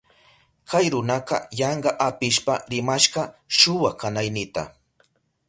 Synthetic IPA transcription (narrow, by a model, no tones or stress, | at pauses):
kʰajɾʊnɑqɑ̰jɑɴɢɑʔapɪʃpaɾɪmaʃɢɑʃʊwakanajnɪt̪a̰